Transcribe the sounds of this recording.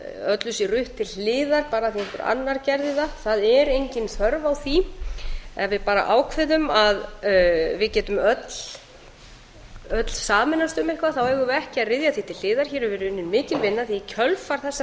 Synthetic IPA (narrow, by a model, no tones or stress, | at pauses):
œt̪lʏsirʏht̪ʰːɪlɪːðaɾpaːɾaθiɛhkʏɾʔa̰nːaɾcɛɾðɪðaθaðɛɾejɲcɪnθœɾvawθi | ɛvɪpaːɾa̰ʔaːwkʰvɪðʏmað | vɪðcɛːt̪ʏmœt̪l̥ | œt̪l̥saːmɪnast̪ʏmehkvaθawɛːɣʏvɛhcɪaðrɪðjaθit̪ʰɪl̥ːɪːðaɾ̥çɛːɾʏvɪɾʏɪnːɪnmɪːcɪlvɪnːaθicʰœlfaɾ̥θɛsːa